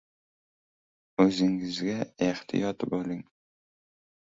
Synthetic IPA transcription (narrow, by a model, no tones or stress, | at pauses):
ɵzɪŋɪzɡʲaeht̪ʰɪ̰jɒt̪bɵlɪŋ